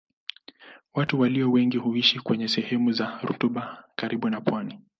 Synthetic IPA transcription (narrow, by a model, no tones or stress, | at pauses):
watuwaliɔwɛŋɡiɦuiʃikwɛɲɛsɛhɛmuzaɾṵtuɓakaɾiɓunapwani